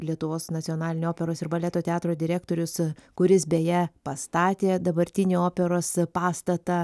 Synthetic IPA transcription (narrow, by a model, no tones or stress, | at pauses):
lʲiɛt̪ʊʋoːsnɐsʲɪoːnɑːlʲɪnʲoːoːpʲɛɾoːsɪɾbɐlʲɛːt̪oːt̪ʲɛɑːt̪ɾoːd̪ʲɪɾʲæːk̚t̪oːɾʲʊskʊɾʲɪsbʲeːjɛpɐst̪ɑːt̪ʲeːd̪ɐbɐɾʲt̪ʲɪnʲeːoːpʲɛɾoːspɑːst̪ɐt̪ɐ